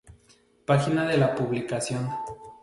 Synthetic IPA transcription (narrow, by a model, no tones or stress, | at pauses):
paxinaðe̞lapuβlikasjo̞n